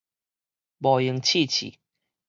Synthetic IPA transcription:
bɔ˨˩ji˨˦ŋt͡ɕʰi˥˧˨t͡ɕʰḭ˨

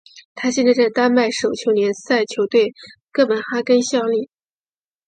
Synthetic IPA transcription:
t̪ʰa˥ɕjɛ˥˧nt͡sɪʈ͡ʂə˥˩t̪a˥nma˥˩ɪʂo˨˩ʊt͡ɕʰjo˧˥ʊnjɛ˧˥nsa˥˩ɪt͡ɕʰjo˧˥ʊt̪we˥˩ɪkə˥˩npə˨˩nxa˥kə˥nɕjɑ˥˧ʊli˥˩

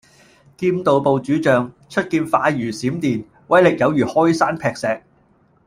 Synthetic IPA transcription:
kiː˧mt̪o˨˧wpo˨wt͡ʃyː˨˥t͡ʃœː˨˧ŋ | t͡ʃʰɵ˥t̚kiː˧nfaː˨˧jyː˨˩siː˨˥mt̪iː˨˧n | wɐ˨˥jlɪ˨k̚jɐ˨˧wjyː˨˩hɔː˥jsaː˥npʰɛː˧k̚sɛː˨k̚

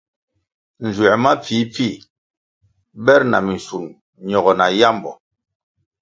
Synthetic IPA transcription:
n̩˨zwɛ˨ma˦fi˨˦p͡fi˦˨ | bɛ˦ɾna̰˨mi˨n˨su˨n | ɲɔ˨ɡɔ˨na˨ja˦mbɔ̰˨

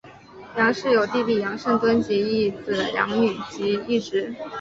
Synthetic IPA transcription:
jɑ˧˥ŋʂɻ̩˥˩jo˨˩ʊt̪i˥˧li˥˩jɑ˧˥ŋʂə˥˩ŋt̪wə˥nɕɛ˧˥i˥˩t͡s̩˨˩jɑ̰˧˥ŋny˨˩t͡ɕi˧˥i˥˩ʈ͡ʂɻ̩˧˥

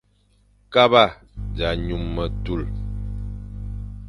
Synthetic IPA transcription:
ka˦ba˦˨ | d͡ʒa˨ɲu˨mːə˨tu˦˨l

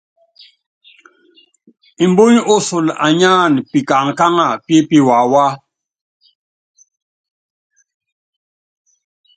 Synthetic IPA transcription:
i˨mbo˦ɲ˦o˦su˨la̰˨ɲa˦˨npi˨ka˨ŋ˨ka˦ŋa˨pje˦pi˦wa˨wa˦

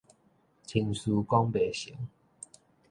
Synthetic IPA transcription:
t͡ɕʰi˧nsu˧kɔ˦ŋbe˨ɕi˨˦ŋ

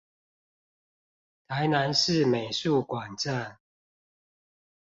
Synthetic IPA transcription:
t̪ʰa˨˦ɪna˧˦nʂɻ̩˥˨me˨˩ɪsu˥˨kwa˨˩nʈ͡ʂa˥˨n

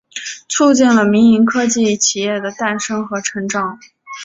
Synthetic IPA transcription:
t͡sʰu˥˧t͡ɕi˥˩nlə˩mi˧˥ŋi˧˥ŋkʰɤ˥t͡ɕi˥˩t͡ɕʰi˨˩jɛ˥˩d̪ə˩t̪a˥˩nʂɤ˥ŋxɤ˧˥ʈ͡ʂʰɤ˧˥ŋʈ͡ʂɑ˨˩˦ŋ

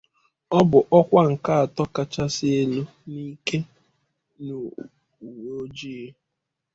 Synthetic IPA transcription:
ɔ˦bʊ˨ʔɔ˦kʷa˦ŋ̩˨ka˦a˨tɔ˦ka˨t͡ʃa˦sɪ˦e˦lu˦ | ni˦ke˦ | no˨ | u˨wo˦d͡ʒi˦e˦

